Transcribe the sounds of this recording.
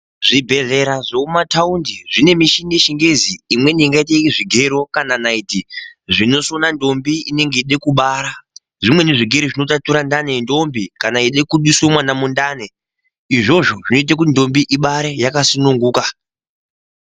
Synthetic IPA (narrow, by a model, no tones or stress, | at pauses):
ʐibʱe̞ɮe̞ɾaʐoumataundiʐine̞miʃinieʃiŋɡe̞ziːmwe̞niiŋɡait̬eʐiɡʱeɾo̞kananaitiʐino̞sonando̞mbiine̞ŋɡiɗe̞kuɓaːɾa | ʐimwe̞neʐiɡʱeɾiʐino̞tatuɾandane̞ndo̞mbikanaiɗe̞kuɗisomwanamundane | iʐo̞ʐo̞ʐino̞it̬ak̬undo̞mbiʔiɓaɾejakasinuŋɡuːka